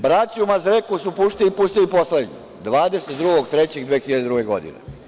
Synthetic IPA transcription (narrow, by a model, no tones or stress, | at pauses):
bɾaːt͡ɕiumazɾekusupuːʃt̪ilipuːsʃt̪iliposled̪ɲḭ | d̪ʋaːd̪eset̪d̪ɾuɡoɡt̪ɾet͡ɕeɡd̪ʋeːxiʎad̪ed̪ɾuɡeɡo̰d̪ḭnḛ